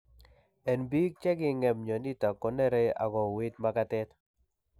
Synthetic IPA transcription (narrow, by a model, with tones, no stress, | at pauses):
ɛ˨nbi˦k̚t͡ʃɛ˦ɡɪ˦ŋɛ˨mɲɔ˨ni˦ta˨kːɔ˦nɛ˦ɾe˦a̰˨ɡɔ˨wɪ˦tma˦ka˦tɛ˦t